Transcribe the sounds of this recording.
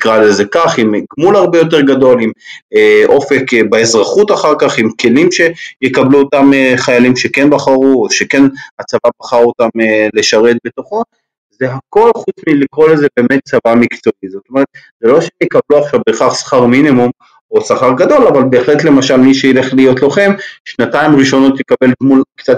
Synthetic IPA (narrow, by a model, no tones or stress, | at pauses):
nikʁalezekaχimkmulaʁbe̞jo̞t̬e̞ʁɡado̞limeʔo̞fe̞kbaezʁaχut̪aχaʁkaχimkʰe̞limʃe̞jekabluotameχajalimʃe̞kenbaχaʁuoʃeke̞nat͡savabaχaʁot̪amele̞ʃaʁe̞t̪̚be̞t̪o̞χo̞ | ze̞ɦako̞lχut͡smilikʁo̞lazebe̞ːmet̪̚t͡savamikt͡so̞ʔizot̪omeʁet̪̚ | zelo̞ʃemjekabluaχʃavbe̞χaχsχaʁminimum | o̞saχaʁɡado̞lavalbe̞ːχle̞tle̞maʃalmiʃeile̞χlijo̞tlo̞χe̞mʃnataimʁiʃo̞no̞t̪jekabe̞ldmulkt͡sat